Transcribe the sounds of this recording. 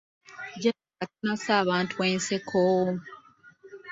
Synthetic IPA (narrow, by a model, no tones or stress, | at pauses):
ɟa | atanasaːβaːntʰuweːnsekʰoː